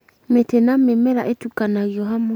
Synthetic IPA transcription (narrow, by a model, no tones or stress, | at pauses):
metɛnamemɛɾaʔetukanajɔɦamo